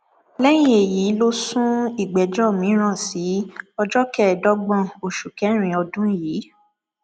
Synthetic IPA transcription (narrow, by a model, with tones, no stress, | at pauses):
lɛ˦j̃ĩ˦e˨ji˨˦lo˦sũ˦i˦˨ɡ͡bɛ˨d͡ʒɔ˦˨mĩ˨˦ɾ̃ã˦˨si˨˦ɔ˧d͡ʒɔ˦kɛ˦˨dɔ˦ɡ͡bɔ̃˦˨o˨ʃu˨kɛ˨˦ɾ̃ĩ˨ɔ˧dũ˦jiː˨˦